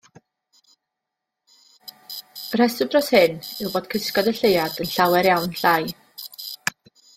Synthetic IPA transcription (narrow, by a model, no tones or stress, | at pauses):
r̥ɛsɪbrɔshɪnɪwboːd̥̚kʰɪskɔdəɬejad̥ənɬawɛɾjawnɬaj